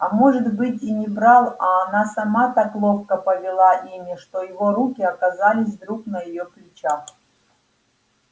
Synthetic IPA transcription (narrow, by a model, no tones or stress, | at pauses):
ɐmoʐɨt̪bɨtʲinʲɪbɾalˠɐːnasamat̪aklˠoxkəpəvʲɪlˠaʔimʲɪʂt̪ojɪvoɾukʲɪɐkazalʲɪs̬ʲvd̪ɾuknəjɪjoplʲɪt͡ɕax